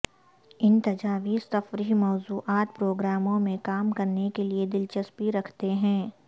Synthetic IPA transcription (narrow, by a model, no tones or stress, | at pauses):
ɪnt̪ɐd͡ʒaːʋiːst̪ɐfɾimɔːzuːʔaːt̪̚pɾoːɡɾaːmõmẽkaːmkɐɾnekelied̪ɪlt͡ʃɐspiɾɐkʰt̪eɦɛ̃ː